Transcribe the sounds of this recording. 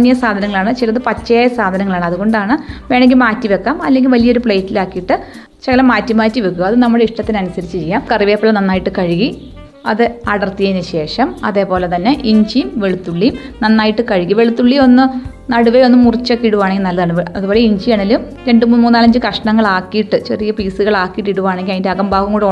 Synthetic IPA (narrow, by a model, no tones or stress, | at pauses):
nijɐsaːd̪ʱɐnɐŋːɐɭaːɳɨt͡ɕilɐðɨpɐt͡ɕːɐjaːjɐsaːd̪ʱɐnɐŋːɐɭaːɳɨɐðuɣo̞ɳɖaːɳɨʋe̞ːɳeŋɡilmaːtːiʋe̞kːaːmɐlːe̞ŋɡʲilʋɐlijɐo̞ɾupɭejtːilaːkːijiʈːɨ | t͡ɕeɣɐlɐmːaːtːimaːtːiʋekːuɣɐːðɨnɐmːɐɽeiʂʈɐt̪ːinɨɐnusɐɾit͡ɕːɨt͡ɕe̞jːaːmkɐriʋeːpːɐɭːɐnɐnːaːjiʈːɨkɐɻiɣi | ɐðɨɐɽɐrt̪ːijɐnɨɕe̞ːʂɐmɐðe̞ːpo̞ːlet̪ɐnːe̞ʔiɲd͡ʑijmʋe̞ɭut̪ːuɭːi | nɐnːaːjiʈːɨkɐɻiɣiʋe̞ɭut̪ːuɭːio̞nːɨ | nɐɽuʋeo̞nːɨmːurit͡ɕːɐkːiɽuʋaːɳeŋɡilnɐlːɐðaːɳɨʋɐðubo̞ːleiɲd͡ʑijaːɳɐlːum | ɾe̞ɳɖɨmuːnmuːaːlɐɲd͡ʑɨkɐʂɐɳɐŋːɐɭaːkːijiʈːɨt͡ɕerijɐpiːsɨɣɐɭaːkːijiʈːiɽuʋaːɳeŋɡilɐðindeɐɣɐmbʱaːʋɐŋkuːɽ